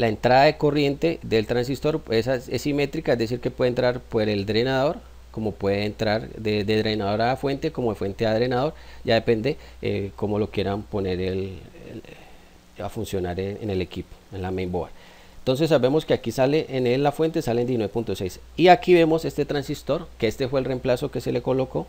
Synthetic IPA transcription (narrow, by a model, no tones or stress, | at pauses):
laent̪ɾaðaeko̞rje̞nt̪e̞ðe̞lt̪ɾans̬ist̪o̞ɾesasesime̞t̪ɾikaezd̪es̬iɾkepwe̞ðent̪ɾaɾpwe̞ɾe̞ld̪ɾe̞naðo̞ɾ | ko̞mo̞pwe̞ðeːnt̪ɾaɾd̪ed̪eðɾe̞jnaðo̞ɾafwe̞nt̪e̞komoðefwe̞nt̪eaðɾe̞naðo̞ɾɟ͡ʝaðe̞pe̞nd̪e̞ḛko̞mo̞lo̞kje̞ɾampo̞ne̞ɾel | a̰funsjo̞naɾeenelekipo̥enlamejmboa̰ɾ | ent̪o̞ns̬e̞s̬ːaβe̞mo̞skeakisale̞ʔeneafwe̞nt̪e̞salend̪iesinweepunt̪o̞sejsiakiβe̞mo̞se̞st̪et̪ɾansist̪o̞ɾkeest̪efwe̞ːlre̞mplaso̞ke̞se̞le̞ko̞lo̞ko̞